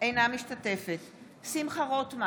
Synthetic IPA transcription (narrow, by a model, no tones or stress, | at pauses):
ejnamiʃtat̪e̞fet̪ | simχaʁo̞t̪ma